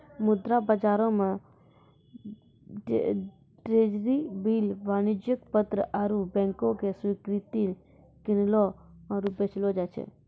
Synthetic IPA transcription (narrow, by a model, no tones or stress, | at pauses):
mʊd̪ɾabəd͡ʒaɾomã | ʈɾed͡ʒɾibiːlʋanɪd͡ʒjəkpət̪ɾəʔaɾubɛ̃ŋkokesʋɪkɾɪt̪i | kɪnloaɾupet͡ʃɪlod͡ʒat͡ʃʰḛ